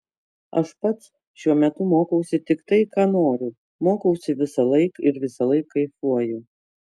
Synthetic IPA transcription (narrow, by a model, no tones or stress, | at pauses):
ɐ̰ʃpɐt̪s | ʃʲuɔmʲɛt̪ʊmoːkɐʊsʲɪt̪ʲɪkt̪ɐɪkɑːnoːɾʲʊ | moːkɐʊsʲɪʋʲɪsɐlˠɐɪkɪɾʋʲɪsɐlˠɐɪkːɐɪfuɔjʊ